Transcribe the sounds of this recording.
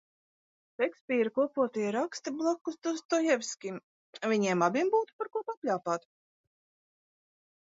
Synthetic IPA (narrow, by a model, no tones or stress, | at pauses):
sɛksʲpʲiːɾkuɔpuɔt̪iɛɾakst̪iblˠakːust̪ust̪ɔjɛvʲskʲim | vʲiɲiɛmabʲimbuːt̪u̥paɾkuɔpapʲlʲaːpaːt̪